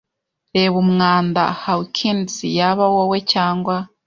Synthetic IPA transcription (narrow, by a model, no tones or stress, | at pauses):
ɾeβumŋaːnda̰hawikʰinsijaβawowecaːŋɡwa